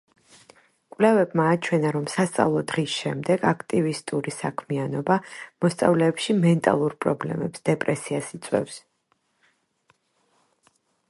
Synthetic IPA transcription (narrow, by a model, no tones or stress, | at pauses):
kʼwlɛvɛbmaːt͡ʃʰwɛnaɾɔmsast̪sʼa̰vlˠɔd̪ʁisʃɛmd̪ɛɡakʰt̪ʼivist̪ʼuɾisakʰmianɔbamɔst̪sʼa̰vlɛːpʃimɛnt̪ʼa̰lˠuɾpʼɾɔblɛ̰mɛpsd̪̥ɛpʼɾɛsiasit̪sʼwɛ̰fs